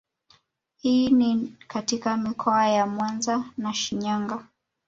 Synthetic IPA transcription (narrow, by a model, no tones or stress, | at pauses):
hiːnikatikamikʰɔajamwanzanaʃiɲaŋɡa